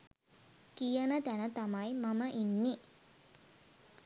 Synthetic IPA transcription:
kijənət̪ænət̪amajmaməʔinːi

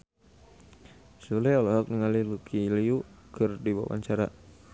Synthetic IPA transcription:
sulɛɔlɔɦak̚niŋalilukʰiliukɨrdiba̰wa̰ɲt͡ʃaɾa

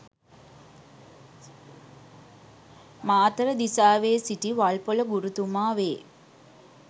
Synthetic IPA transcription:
maːt̪əɾəd̪isaːʋeːsiʈiʋalpoləɡuɾut̪umaːʋeː

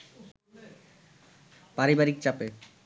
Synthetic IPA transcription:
paɾibaɾik̚t͡ɕape

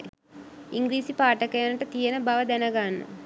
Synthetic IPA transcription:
iŋɡɾiːsipaːʈɐkɐjɐnɐʈɐt̪ijɐnɐbɐʋɐd̪ɛnɐɡaːnːɐ̰

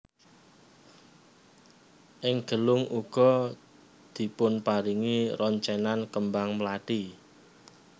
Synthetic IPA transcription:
ʔɪŋɡ̥ə̤lʊŋʔuɡ̥ɔ̤ | d̪̥i̤pʊnpaɾiŋiɾɔɲt͡ʃɛnankəmbaŋmlaɖ̥i

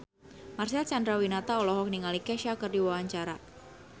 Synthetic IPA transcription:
marsɛlt͡ʃandɾawinat̪aɔlɔɦɔk̚niŋalikɛʃakərdiwawaɲt͡ʃaɾa

